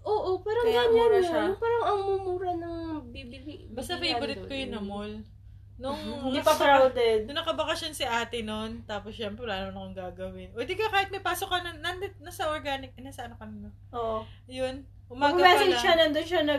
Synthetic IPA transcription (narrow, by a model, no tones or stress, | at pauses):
ʔoːʔopɛːɾoɡanaɾɪʃanʊpaːɾɐŋɐŋmumuːɾɐnɐŋmɐɡ̚bibilibɐst̪ɐpɐɪbʊɾɪt̪̚kojʊnːɐmol | noŋiɐpɾawd̪ɛd̪̚ʊnɐkɐbɐkɐsjonsɪʔaːt̪ɪnont̪aːposʃɛmpɾɛlaːnonɐkoŋɡaːɡɐwɪnwɛd̪ikɐkaːhɪt̪̚mɐjpaːsokːɐnɐnɐnd̪ɛt̪̚nasɐʔoɹɡaːnɪk̚naːsɐʔɐnɐkɐnɪmo | ʔoʔ | jon | ʔʊmaːɡɐmɛːpsɛnʃanɐnd̪onʃɐnɐ